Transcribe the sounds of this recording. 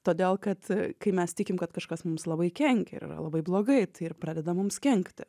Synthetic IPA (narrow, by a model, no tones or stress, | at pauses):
t̪oːd̪ʲeːlˠkɐt̪kɐɪmʲɛst̪ʲɪkʲɪmkɐt̪kɐʃkɐsmʊmslˠɐbɐɪkʲɛŋʲkʲɛɪ̰ɾɪ̰ɾɐ̰lˠɐbɐɪblˠoːɡɐɪt̪ɐɪɪrpɾɑːd̪ʲɛd̪ɐmʊmskʲɛŋʲkt̪ʲɪ